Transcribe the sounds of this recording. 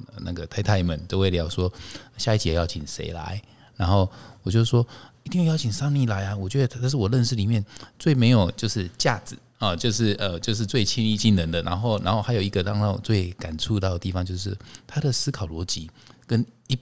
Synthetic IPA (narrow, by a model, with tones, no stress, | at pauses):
na˥˩ɡə˩t̪ʰa˥ɪt̪ʰa˥˧ɪmə˨˩nt̪o˥˧ʊwe˥˩ɪlə˧jɑ˧˥˧ʊʂwɔ˥ɕja˥˧i˥˩t͡ɕi˨jɛ˨˩˦jɑ˥˩ʊt͡ɕʰi˨˩nʂḛ˧˥ɪla̰˧˦ɪ | na˧˦˥nxo˥˩ʊwɔ˨˩t͡ɕjo˥˧ʊ˥ʂwɔ˥i˧t̪i˥˧jjɑ˥ʊt͡ɕʰi˨˩ŋsɑ˥˧ŋni˥˩la˧˦ɪa˧wɔ˨˩t͡ɕɥɛ˧˥d̪ə˧˥a˥˧nʂ̬̩˥˩wɔ˨˩lə˥˧nʂ̬̩˥˩li˨˩mjɛ˥˧nt͡swe˥˩ɪme˧˥ɪjo˨˩ʊt͡ɕjo˥˧ʊʂɻ̩˥˧t͡ɕja˥˩d͡zɹ̩˨˩ | ə˨˩t͡ɕjo˥˧ʊʂɻ̩˥˩ʔə˧t͡ɕjo˥˧ʊʂ̬ɻ̩˥˧t͡swe˥˩ɪt͡ɕʰi˥ni˥˧t͡ɕi˥˩nnə˧˥nd̪ə˨na˧˥nxo˥˧ʊna̰˧˥nxo˥˩ʊxa˧˥ɪjo˨ʊi˧˥ɡə˧t̪ɑ˥˧ŋɑ˥˧t͡swe˥˩ɪka˨˩nt͡sʰu˥˧t̪ɑ˥˩ʊd̪ə˩t̪i˥˩fɑ˧˦ŋt͡ɕjo˥˧ʊʂ̬ɻ̩˥˩t̪ʰa˥d̪ə˨sɹ̩˥kʰɑ˨˩ʊlwɔ˧˥t͡ɕi˧˦kə˦ni˧˥